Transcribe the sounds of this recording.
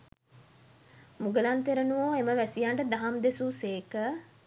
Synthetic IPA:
muɡəlant̪eɾənuʋoːeməʋæsijaɳɖəd̪aɦamd̪esuseːkə

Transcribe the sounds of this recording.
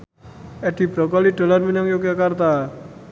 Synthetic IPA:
ʔɛd̥i̤b̥ɾɔkɔliɖ̥o̤larminaŋjok̬akart̪a

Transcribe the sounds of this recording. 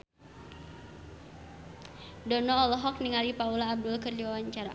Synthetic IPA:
dɔnɔːlɔɦɔk̚niŋalipaulaːb̚dʊlkərd͡ʒiawaɲt͡ʃaɾa̰

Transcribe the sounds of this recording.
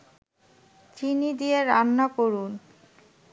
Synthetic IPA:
t͡ɕinid̪ijeɾanːakoɾun

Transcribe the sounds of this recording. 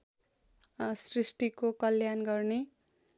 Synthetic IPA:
srisʈikokʌljanɡʌrne

